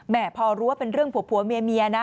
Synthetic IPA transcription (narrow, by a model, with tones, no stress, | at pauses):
mɛː˨˩pʰɔː˧ɾu˦˥wa˥˩pe˧nɾɯ˥˩əŋpʰuː˨˩˦pʰːu˨˩˦meː˧miː˧ʔa˧na˦˥